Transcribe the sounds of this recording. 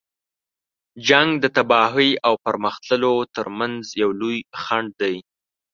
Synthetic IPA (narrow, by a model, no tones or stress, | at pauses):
d͡ʒaŋɡd̪ət̪abɑɦəjawpəɾməxt̪ləlot̪əɾmanzjawlujxaɳɖ̚d̪aj